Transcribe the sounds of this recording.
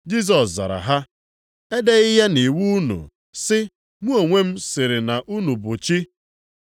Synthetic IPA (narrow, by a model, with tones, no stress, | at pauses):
d͡ʒi˦s̬ɔ˨sza̰˨ɾa̰˨ɦa˦ | e˦de˦ɪ˦ja˦ni˨wu˦nṵ˨ | sɪ˦ | mʷu˦o˨ŋʷe˦m̩˦sɪ˨ɾɪ˨na˨ʔu˦nu˨bʊ˨t͡ʃi˦